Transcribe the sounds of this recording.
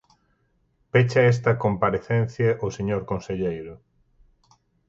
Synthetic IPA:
pet͡ʃɐes̬t̪ɐkompaɾeθɛn̟θjɐʔoseɲoɾkonseʎejɾʊ

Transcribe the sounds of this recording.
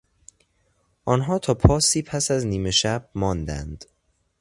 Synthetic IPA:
ʔɒːnɦɒːt̪ʰɒːpʰɒːsiːpʰæsæzniːme̞ʃæb̥̚mɒːnd̪æ̰nd̪̥

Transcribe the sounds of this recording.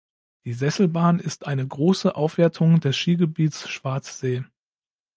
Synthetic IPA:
d̥iːzɛsl̩baːnɪstʔaɪnəɡʁoːsəʔaʊfv̥eːɐtʰʊŋdɛsʃiːɡəbiːtt͡sʃv̥aɐt͡sz̥eː

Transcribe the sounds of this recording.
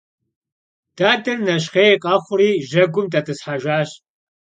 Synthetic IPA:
d̥aːdɐrnɐɕ̬χeːqʼɑχʷʊriːʒɐɡʷʊmtʼɐtʰɨsħaʒʷaːɕ

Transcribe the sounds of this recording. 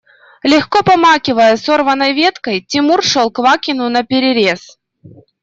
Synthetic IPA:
lʲɪxkopɐmakʲɪvəjəso̞rvənːəjvʲet̪kəjtʲɪmurʂolˠkvakʲɪnʊnɐpʲɪɾʲɪɾʲe̞s

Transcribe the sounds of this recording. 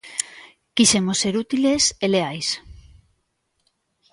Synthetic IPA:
kisemosːeɾut̪ileseleajs

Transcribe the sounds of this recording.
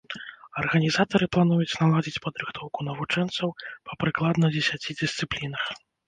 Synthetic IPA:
ɐrɣɐnʲizat̪ɐɾɨplˠanujut͡sʲnalˠad͡zʲit͡sʲpɐd̪ɾɨxt̪ʰɔwkunɐvut͡ʂɛnt̪sɐwpɐpɾɨklˠad̪nɐd͡zʲɛsʲat͡sʲid͡zʲɪst̪sɨplʲinɐx

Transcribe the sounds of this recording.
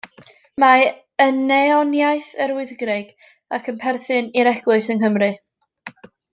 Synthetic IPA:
ma | ənːɛɔnjajθəɾɪɨðɡrɪɡ̥ | akʰənpʰɛrθɨniɾɛɡ̥lˠʊɨsənɦəmrɨ

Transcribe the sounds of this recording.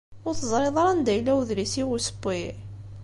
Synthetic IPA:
ʊɾθəzˤɾˤeðˤɑɾˤɑnd̪æjlːæwðɾisiɣusə̥bːi

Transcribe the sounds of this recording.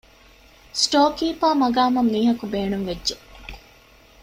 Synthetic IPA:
sʈoːkiːpaːmɐɡaːmɐmniːɦɐkubeːnuŋʋedʒe

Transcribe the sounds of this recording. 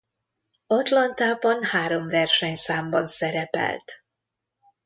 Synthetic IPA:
ɒt̪lɒnt̪aːbɒnhaːɾo̞mvɛrʃɛɲsaːmbɒnsɛɾɛpɛ̰lt̪

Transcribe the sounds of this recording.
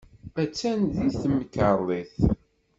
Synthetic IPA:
æt͡sːænðiθmːəkːəɾˤðˤiθ

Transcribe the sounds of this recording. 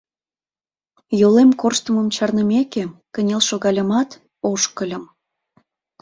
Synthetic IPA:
jolemkorʃt̪əməmt͡ɕɑrnəmekekənʲelʃoɣɑlʲəmɑt̪ | oʃkəlʲə̆m

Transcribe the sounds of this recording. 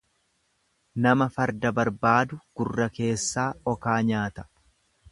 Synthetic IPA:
nɐmɐfɐɾd̪ɐbɐɾbaːd̪ʊɡ̥ʊrːɐke̞ːsːaːɔkaːɲaːt̪ɐ̥

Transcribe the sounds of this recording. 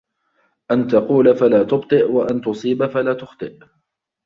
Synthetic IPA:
ʔant̪ɑquːlafalaːt̪ʊbt̪ˤɨʔwaʔant̪ʊsˤiːbafalaːt̪ʊxt̪ˤɨʔ

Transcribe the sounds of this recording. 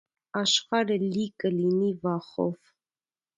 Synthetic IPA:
ɑʃχɑɾəlikʼəlinivɑχɔ̰v

